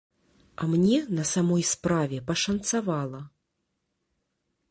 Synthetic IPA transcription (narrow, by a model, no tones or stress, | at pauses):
ɐmnʲɛnɐsamɔjspɾavʲɛpɐʂɐnt̪savalˠɐ